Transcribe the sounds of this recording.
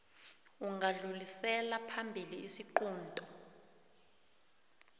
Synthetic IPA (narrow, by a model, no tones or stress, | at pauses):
uŋaɮulisɛlapʰambʱiliisiǃuːntʼɔ